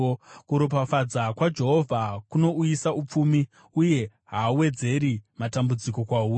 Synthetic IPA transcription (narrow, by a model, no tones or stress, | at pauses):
kuɾop̬afad͡zakwad͡ʒe̞ɦo̞vʱakuno̞ujisaup͡fumi | uje̞ | ɦauwe̞d͡ze̞ɾimatambud͡ziko̞kwauː